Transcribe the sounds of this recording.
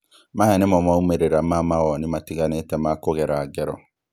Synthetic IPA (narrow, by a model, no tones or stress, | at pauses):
mãhɛnimɔmaumeɾeɾamamawɔnimatiɡanetɛmakoɡɛɾaːɡɛɾɔ̰